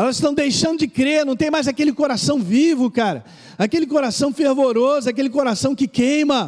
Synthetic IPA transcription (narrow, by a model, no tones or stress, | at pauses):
ɛlɐzɪsʃt̪ɐ̃w̃d̪ejʃɐ̃nd̪ʊd͡ʒɪkɾeɾnɐ̃w̃t̪ẽj̃majzakelɪkoɾasɐ̃w̃vivʊkaɾɐ̰ | akelɪkoɾasɐ̃w̃feɾvoɾozʊakelɪkoɾasɐ̃w̃kɪkẽj̃mɐ